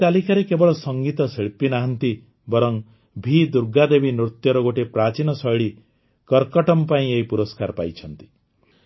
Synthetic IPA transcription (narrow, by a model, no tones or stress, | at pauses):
t̪alikʰaɾekebɔɭɔsɔŋɡit̪ɔsiɭpinaɦɔnt̪i | bɔɾɔŋ | bʱid̪uɾɡad̪ebinɾut̪jɔɾɔɡoʈepɾat͡ʃinɔsɔjɭi | kɔɾkɔʈɔmpaĩeɦipuɾɔskaɾpajt͡ʃʰɔnt̪i̥